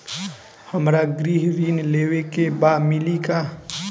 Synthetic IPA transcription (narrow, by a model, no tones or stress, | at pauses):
həmɾaɡɾiɦɾiːnleːwekebaːmɪlika